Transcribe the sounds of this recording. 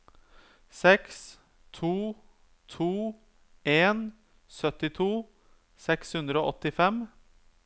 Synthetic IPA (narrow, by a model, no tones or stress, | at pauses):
sɛks | t̪ʰuː | t̪ʰuː | eːn | sœt̪ɪt̪ʰuː | sɛkshʉnd̪ɾəoːʔɔt̪ːɪfɛm